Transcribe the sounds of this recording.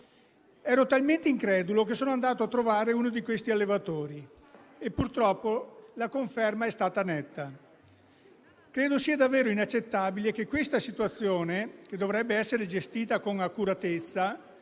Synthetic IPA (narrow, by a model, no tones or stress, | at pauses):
ɛːɾot̪alment̪eiŋkɾɛːd̪ulok̬esoːnoand̪aːt̪oat̪ːɾovaːɾeuːnod̪ikwest̪ialːevat̪oːɾi | epːurt̪ɾɔpːolakoɱfɛrmaɛst̪aːt̪anɛt̪ːa | kɾeːd̪osiːad̪avːeːɾoinat͡ʃːet̪ːaːbilek̟ekːwest̪asit̪uat̪sːjoːnek̟ed̪ovɾɛbːeɛsːeɾed͡ʒest̪iːt̪akoŋakːuɾat̪et̪sːa